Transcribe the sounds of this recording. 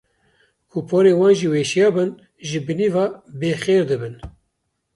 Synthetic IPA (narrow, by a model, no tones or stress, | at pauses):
kʰupʰoːɾeːwɑːnʒiːweːʃijɑːbɨn | ʒɨbɨnivɑbeːxeːɾd̪ɨbɨn